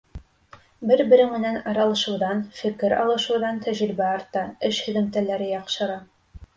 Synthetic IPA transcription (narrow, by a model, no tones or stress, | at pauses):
bɘɾbɘ̆ɾɘŋmɘ̆nænɑɾɑlˠɤ̆ʃɤ̆wðɑnfɘ̆kɘɾɑlˠɤ̆ʃɤ̆wðɑnt̪ʰæʒɾɘ̆bæɑɾt̪ɑɘʃhɵ̆ðɘ̆mt̪ælæɾɘjɑqʃɤ̆ɾɑ